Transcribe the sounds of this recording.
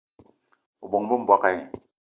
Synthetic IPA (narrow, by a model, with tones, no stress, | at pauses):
u˨bo˨ŋbu˦m˨bwa˨ka˨ŋ˨